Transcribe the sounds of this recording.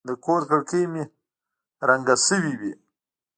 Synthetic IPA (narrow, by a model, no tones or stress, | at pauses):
d̪əkoɾkəɽkəjmi | ɾaŋɡasəwiwi